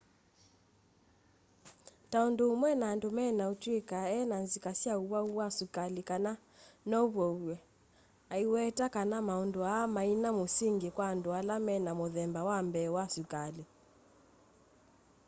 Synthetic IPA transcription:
taɔndomwɛnaːndomɛnautwikaɛnanzikasiauβauwasukalikana | nɔuβɔuɛ | aiwɛtakanamaɔndɔamainamosiŋɡikwandɔalamɛnamɔðɛmbawambɛːwasukali

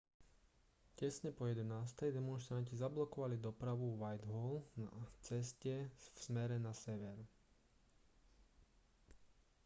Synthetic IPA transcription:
cɛsɲɛpɔjɛd̪ɛnaːst̪ɛjd̪ɛmɔnʃt̪ɾancizablɔkɔʋalid̪ɔpɾaʋuʋajd̪ɦɔlna̰t͡sɛscɛfsmɛɾɛnasɛʋɛɾ

